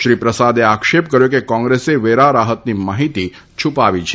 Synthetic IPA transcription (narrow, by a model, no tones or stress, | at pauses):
ʃɾipɾəsad̪eakʃep̚kəɾjokekɔ̃ŋɡɾeseʋeɾaɾaɦət̪nimaɦit̪i | t͡ʃʰupaʋit͡ʃʰe